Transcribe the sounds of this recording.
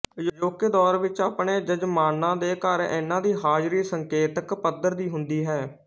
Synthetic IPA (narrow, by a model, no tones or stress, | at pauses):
d͡ʒod͡ʒoːked̪ɔːɾʋɪt͡ʃaːpɳeːd͡ʒəd͡ʒmaːnãːd̪eːkəɾɪ̰nãːd̪iːɦaːd͡ʒɾiːsəŋkeːt̪əkpəd̪əɾd̪iːɦʊnd̪iːɦɛː